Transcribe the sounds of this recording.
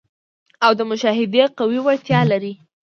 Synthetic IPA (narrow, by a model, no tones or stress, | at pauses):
awd̪əmʊʃɑɦɪd̪eqawiwaɾt̪jɑlaɾi